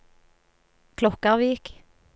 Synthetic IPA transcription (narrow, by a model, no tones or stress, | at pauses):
kʰlɔkəʁʋiːk